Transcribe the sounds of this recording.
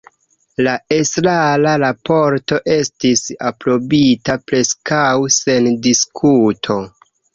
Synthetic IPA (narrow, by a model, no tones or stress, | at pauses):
lae̞slalaɾapo̞ɾto̞ʔe̞stisapɾo̞bitapɾe̞skawse̞ndiskʰutʰo̞